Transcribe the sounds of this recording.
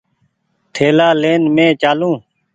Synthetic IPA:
t̪ʰeːlaːleːnmẽːt͡ʃaːlũː

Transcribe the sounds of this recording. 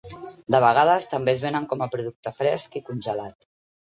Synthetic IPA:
d̪əβ̞əɣ̞að̞əst̪əmbezβenəŋkɔməpɾuðuk̚t̪əfɾɛskikunʲʒəlat̪

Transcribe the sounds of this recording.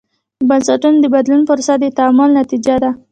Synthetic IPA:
bansaʈunod̪əbad̪lunfʊɾsad̪ət̪amʊlnat̪id͡ʒad̪a

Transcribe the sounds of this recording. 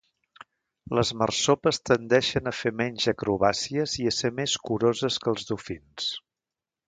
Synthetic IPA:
ləzmərsopəst̪ənd̪ɛʃənəfemɛɲʲʒəkɾuβasiəziəsemeskuɾozəskəlˠzðufins

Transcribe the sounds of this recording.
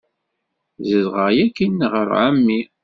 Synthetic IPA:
zəzʁəʁjækːinːʁəɾʕamːi

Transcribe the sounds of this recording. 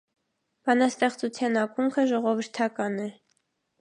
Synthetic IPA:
b̥ɑnɑst̪ɛχt͡sut͡sʰjɑnɑkuŋkʰəʒɔʁɔvəɾt̪ʰɑkɑnɛ

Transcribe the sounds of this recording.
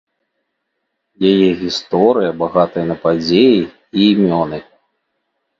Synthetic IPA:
jajɛɣʲist̪ɔɾɨjɐbaɣat̪ɐjɐnɐpad͡zʲeji | iːmʲɔnɨ

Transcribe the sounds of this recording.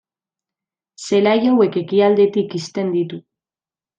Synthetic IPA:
se̞laʝawe̞ke̞kiald̪e̞t̪ikist̪e̞nd̪it̪u

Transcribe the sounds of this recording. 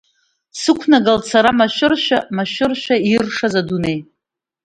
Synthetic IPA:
sɨkʷʰnaɡalt͡sʰaɾamaʃʷɪrʃᶣamaʃʷʊrʃᶣairʂazadunej

